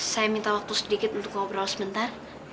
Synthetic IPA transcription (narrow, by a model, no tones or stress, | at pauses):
sajamint̪awak̚t̪usədikɪt̪unt̪ʊk̚maubəɾawasəmənt̪ar